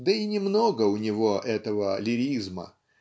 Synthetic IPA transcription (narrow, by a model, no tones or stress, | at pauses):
d̪əinʲɪmnoɡəʊnʲɪvoʔɛt̪əvəlʲɪɾʲizmə̰